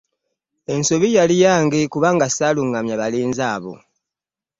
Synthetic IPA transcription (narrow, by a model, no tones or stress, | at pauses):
e̞nsoβijalijaːŋɡekuβaŋɡasaluŋɡamjaβaliːnzaːβo̞̰